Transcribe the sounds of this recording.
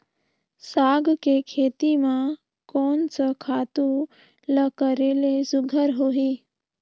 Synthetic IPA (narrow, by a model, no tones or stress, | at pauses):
saːɡʱkekʰeːt̪imã | kɔːnsəkʰaːt̪u | ləkəɾelesʊɡʱəɾɦoːɦiː